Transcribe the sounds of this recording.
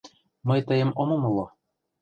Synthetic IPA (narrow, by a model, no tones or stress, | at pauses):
mɤjt̪ə̆jə̆momɤ̆mɤ̆lˠo